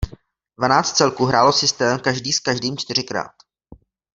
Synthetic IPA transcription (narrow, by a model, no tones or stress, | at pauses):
dvanaːt͡st̪t͡sɛlkuɦɾaːlo̞sɪst̪ɛːmkaʒdiːskaʒdiːmt͡ʃt̪ɪr̝ɪkɾa̰ːt̪